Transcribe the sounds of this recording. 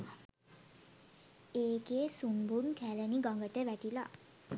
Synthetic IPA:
eːkeesunbunkʰæːlɛniɡʌŋɡəʈəʋæʈila̰

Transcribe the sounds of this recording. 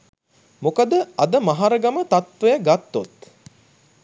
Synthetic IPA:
mokəd̪əɐd̪əmaɦaɾəɡamət̪at̪ʋejəɡat̪ːot̪

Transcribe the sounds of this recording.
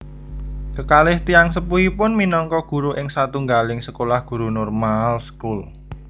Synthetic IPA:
kəkalɪht̪iaŋsəpuɦipʊnminɔŋkɔɡ̥ṳɾuʔɪŋsat̪uŋɡalɪŋsəkolahɡ̥ṳɾunɔrmalskul

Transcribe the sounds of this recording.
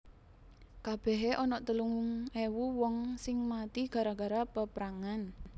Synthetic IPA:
kab̥ɛ̤ɦeʔɔnɔʔt̪əluŋuŋewuwɔŋsɪŋmat̪iɡ̥a̤ɾaɡ̥a̤ɾapəpɾaŋan

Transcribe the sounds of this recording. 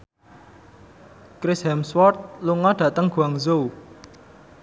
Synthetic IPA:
kɾɪsɦɛmswɔrt̪̚luŋɔɖ̥ä̤t̪əŋɡ̥ṳaŋzou

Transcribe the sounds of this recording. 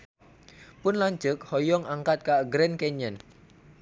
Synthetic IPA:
pʊnlaɲt͡ʃʊk̚hɔjɔŋaŋkat̪̚kaʔɡɾɛnkɛɲan

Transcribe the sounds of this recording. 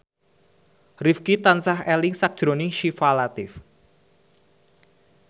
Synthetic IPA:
rifkit̪ansaɦɛlɪŋsak̚d̥ʒ̥ɾoniŋʃifalat̪ɪf

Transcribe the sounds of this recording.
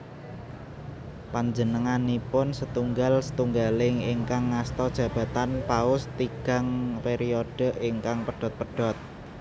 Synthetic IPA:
paɲd͡ʒənəŋanipʊnsət̪uŋɡalsə̥t̪uŋɡalɪŋɪŋkaŋːast̪ɔd̥ʒ̥ä̤b̥ä̤t̪anpaʊst̪iɡ̥a̤ŋpeɾioɖ̥ə̤ʔɪŋkaŋpəɖ̥ɔ̤t̪̚pəɖ̥ɔ̤t̪̚

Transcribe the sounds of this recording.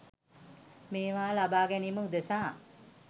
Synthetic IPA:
meːʋaːlabaːɡɛniːməud̪esaː

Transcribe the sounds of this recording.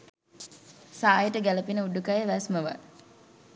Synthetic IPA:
saːjəʈəɡæləpinəuɖukajəʋæsməʋa̰

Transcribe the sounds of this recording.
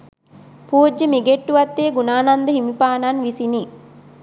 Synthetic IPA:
puːd͡ʒːəmiɡeʈːuʋɐt̪ːeːɡunaːnand̪əɦimipaːnanʋisini

